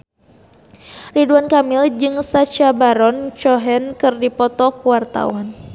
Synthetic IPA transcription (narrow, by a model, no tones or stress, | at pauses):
riduankamɪld͡ʒɨŋsat͡ʃabaɾɔnt͡ʃɔɦɛnkɨrdipɔt̪ɔkuwart̪a̰wan